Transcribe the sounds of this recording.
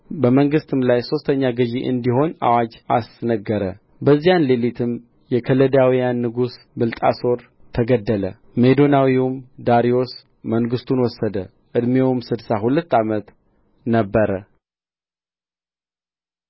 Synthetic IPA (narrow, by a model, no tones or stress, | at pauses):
bəməŋɡɨst̪ʰɨmlajso̞st̪ʰəɲːaɡɨd͡ʒiʔɨ̰nd̪iho̞na̰wad͡ʒa̰snəɡːəɾə̰ | bəzːijanlelit̪ʰɨm | jɛkʰələd̪awijanːɨɡus | bɨlt̪ʼa̰so̞ɾ | t̪ʰəɡəd̪ːələ | me̞d̪o̞nawiwumd̪aɾio̞s | məŋɡɨst̪ʰunwɔsːəd̪ə | ʔɨd̪mewmsɨd̪saɦulət̪ːamət̪ | nəbːəɾə